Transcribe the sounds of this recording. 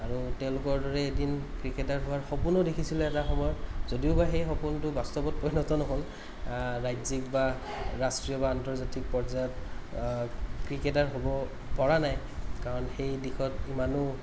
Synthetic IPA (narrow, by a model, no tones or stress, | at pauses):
aɹutɛʊ̃lʊkɔɹdɔɹɛedinkɹiketaɹɦʊwaɹxɔpunodekʰisilɛɛtaxɔmɔjɔtzodiʊbaxejxɔpuntʊbastɔbɔt̚pɔjnɔtɔnɔɦol | ɹajzikba | ɹastɹijɔbantɔɹzatik̚pɔɹzajɔt | kɹiketaɹɦobɔ | pɔɹanaj | kaɹɔnxejdixɔtimanʊ